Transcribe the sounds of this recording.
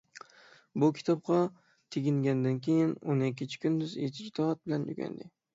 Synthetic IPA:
bʊkʲʰɪ̥t̪ʰɒb̚qɑ | t̪ʰɪɡʲɪŋɡʲand̪ankʲʰejɪnonekʲːɪnt͡ʃʰɪ̥kʲʊnd̪ʊzet͡ʃʰɪd͡ʒɪd̪ɒat̪̚bɪlanjʊ̰ɡʲa̰nd̪ɪ

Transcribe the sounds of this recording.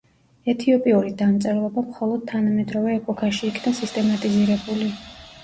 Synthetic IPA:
ɛt̪ʰiɔpʼiuɾid̪amt̪sʼɛɾlˠɔbamχɔlˠɔd̪̥̚t̪ʰanamɛd̪ɾɔvɛːpʼɔkʰaʃiːkʰnasist̪ʼɛmat̪ʼiziɾɛbuli

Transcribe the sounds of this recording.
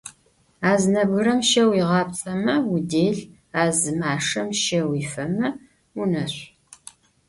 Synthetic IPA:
aːznɐbɣɨrɐmʃɐwiʁɑpt͡sʼɐmɐwudeːɮ | aːzɨmaːʂɐmʃɐwiːfɐmɐ | unɐɕʷ

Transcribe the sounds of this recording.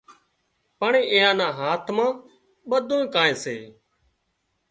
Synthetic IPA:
pəɳeːʔeːjãːnãːɦaːt̪ʰmãː | ɓəd̪ʱõːẽːkaːẽːsḛː

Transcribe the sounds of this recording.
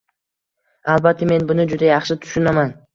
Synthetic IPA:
alˠbat̪ʰːɪme̞nbʊnɪd͡ʒʊd̪ajɑχʃɪt̪ʰʊ̥ʃʊnaman

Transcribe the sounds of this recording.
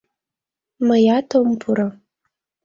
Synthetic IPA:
majatʰompʰuɾa

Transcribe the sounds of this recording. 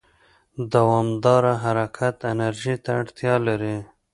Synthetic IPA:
d̪awɑmd̪ɑɾaɦaɾakʰat̪ɪnaɾʒit̪aːɽt̪jɑlaɾi

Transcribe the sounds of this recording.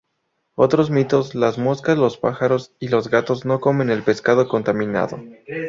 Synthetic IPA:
o̞t̪ɾo̞zmit̪o̞zlazmo̞skazlo̞spaxaɾo̞silo̞zɣat̪o̞zno̞ko̞me̞ne̞lpe̞skaðo̞ko̞nt̪amĩna̰ðo̞̰

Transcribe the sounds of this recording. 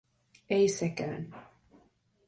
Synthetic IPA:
ɛjsɛkæ̰n

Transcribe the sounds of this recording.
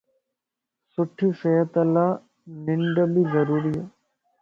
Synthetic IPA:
sʊʈʰːisejət̪ɐlaː | nɪɳɖəbʱizɐɾuːɾia

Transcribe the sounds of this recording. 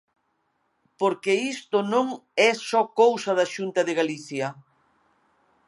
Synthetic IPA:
poɾkeist̪onõŋɛsɔkowsɐðɐʃunt̪ɐðɪɣaliθjɐ

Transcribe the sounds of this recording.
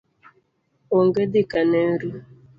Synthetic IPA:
oŋɡedikaneɾu

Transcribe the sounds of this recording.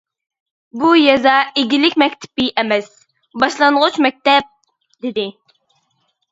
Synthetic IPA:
bujɛzɑeɡʲilɪkʲmɛkʲt̪ʰɪ̥pːɪʔɛmɛs | bɑʃlˠɑɴʁʊt͡ʃmɛk̚ʲt̪ɛp̚ | d̪ɪd̪ɪ

